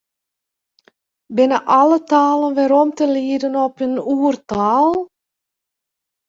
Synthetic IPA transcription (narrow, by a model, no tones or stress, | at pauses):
bɪnəʔɑlətaːlənʋɪɾɔmtəliədənɔpənuːərtaːlˠ